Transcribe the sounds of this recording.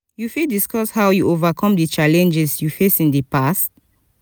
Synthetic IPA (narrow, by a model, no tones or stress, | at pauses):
jufildiskɔshawjuʔovakʰɔ̃mdət͡ʃalɛ̃nd͡ʒɛsjufesĩndəpast